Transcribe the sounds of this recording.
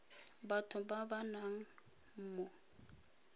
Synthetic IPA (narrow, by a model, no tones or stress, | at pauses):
batʰʊbabanaŋ̩ | m̩mʊ